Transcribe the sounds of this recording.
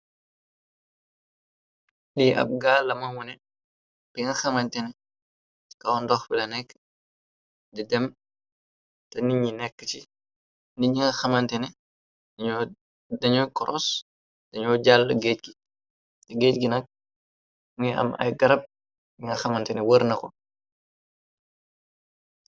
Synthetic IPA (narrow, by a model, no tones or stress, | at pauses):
liʔɐ̰p̚ɡaːlːɐmɐwɔnɛ | pɛŋɐxɐmɐntɛnɛ | kɐwndɔxbilɐnɛkː | didɛm | tɛniɲinɛkːət͡ʃi | ndiɲiŋɐxɐmɐntɛnɛ | ɐɲ | dɐɲukɔɾʔɔs | d̥ɐɲɔːɟalːəɡeːt̚ɡi | tɛɡeːtɡinɐk̚ | muɲiɐ̰mɐ̰jɡɐɾɐp̚ | ɲiŋɐxɐmɐntɛnɛwəɾnɐkɔ